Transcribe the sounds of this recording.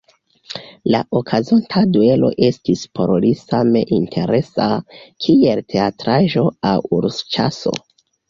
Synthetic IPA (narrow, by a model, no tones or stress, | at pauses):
laʔokʰazontʰadue̞lo̞̰ʔe̞stispo̞ɾlisame̞̰ʔintʰe̞ɾe̞sakʰie̞ltʰe̞atɾaʒo̞awuɾst͡ʃa̰so̞̰